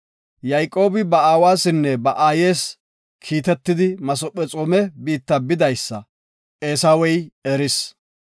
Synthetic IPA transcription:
jɐjkʼo̞ːbɪbɐaːwaːsɪnːɛbɐʔaːje̞ːs | kʰiːt̪ɛt̪ːɪd̪ɪmɐsɔpʼːɛt͡sʼɔmɛbiːt̪ːɐbɪd̪ɐjsːɐ | ʔeːsaːwɛjɛɾɪs

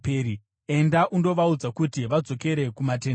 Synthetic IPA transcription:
peːɾi | e̞ndaʔundo̞ʋaud͡zakutiʋad͡zo̞ke̞ɾe̞kumate̞n

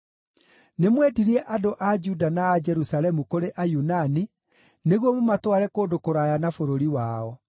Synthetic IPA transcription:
nemwɛdiɾiɛʔadoʔad͡ʒudanaːd͡ʒɛɾusalɛmukoɾeʔajunani | neɣwɔmomatwaɾɛkoːdokoɾajanafoɾoɾiwaːɔ

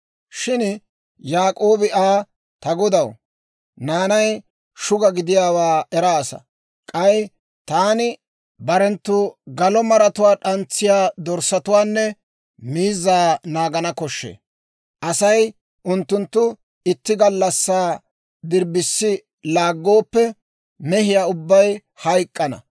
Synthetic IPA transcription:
ʃɪn | jaːkʼoːbɪʔaː | t̪ɐɡɔd̪ɐw | naːnɐj | ʃʊɡɐɡɪd̪ɪjaːwaːɛɾaːsɐ̰ | kʼɐj | t̪aːnɪ | bɐɾɛnt̪ːʊɡɐlɔmɐɾɐt̪ʊwaːɗɐnt͡sːɪjaːd̪ɔɾsːɐt̪ʊwaːnːɛ | miːzːaːnaːɡɐnɐkɔʃːḛː | ʔɐsɐj | ʔʊnt̪ːʊnt̪ːʊ | ɪt̪ːɪɡɐlːɐsːaː | d̪ɪɾbɪsːɪ | laːɡːo̞ːpːɛ | mɛɦɪjaːʊbːɐj | hɐjkʼːɐnɐ̰

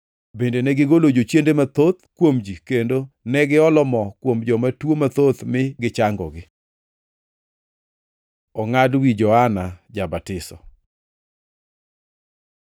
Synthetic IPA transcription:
bendenɛɡɪɡolod͡ʒot͡ʃjendemat̪ot̪kwomd͡ʒikendonɛɡɪɔlɔmɔkwomd͡ʒɔmatwomat̪ot̪mɪɡɪt͡ʃaŋɡɔ̰ɡɪ | ɔŋadwid͡ʒɔanad͡ʒabatɪsɔ̰

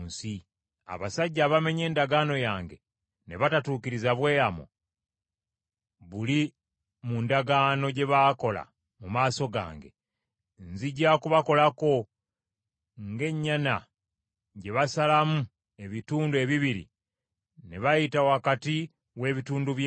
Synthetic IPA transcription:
nsi | a̰βasaɟːaβame̞ɲe̞ːndaɡano̞jaːŋɡe̞̰ | ne̞̰βatatuːkiɾizaβwe̞ːamo̰ | βuli | mundaɡaːno̞ɟe̞βaːko̞la̰ | mumaːso̞ɡa̰ːŋɡe̞̰ | nziɟakuβako̞lako̞ | ŋɡe̞ɲːana | ɟe̞βasalamu | e̞βituːndue̞βiβiɾḭ | ne̞βajitawakati | we̞ːβituːnduβj

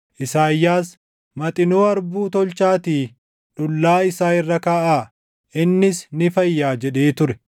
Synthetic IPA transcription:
ʔɪsaːjːaːs | mɐt̪ʼɪnoːɐɾbuːt̪ɔlt͡ʃaːt̪iː | ᶑʊlːaːɪsaːɪrːɐkaːʔaː | ʔɪnːɪsnɪfɐjːaːd͡ʒɛɗeːt̪ʊɾɛ

